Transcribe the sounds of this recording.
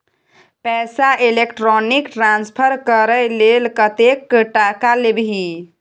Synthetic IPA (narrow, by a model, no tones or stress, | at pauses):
pɛsaelekʈɾonikʈɾanspʰəɾkəɾəlelkət̪ekʈakalebɦi